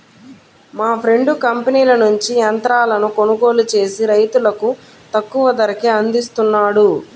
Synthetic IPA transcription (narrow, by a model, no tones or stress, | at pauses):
maːpʰɾe̞ɳɖukɐmpeniːlɐnuɲt͡ʃijɐnt̪ɾaːlɐnuko̞nuɡo̞ːlut͡ʃe̞ːsiɾɐjt̪ulɐku | t̪ɐkːuʋɐd̪ɐɾɐkeɐnd̪ist̪unːaːɽu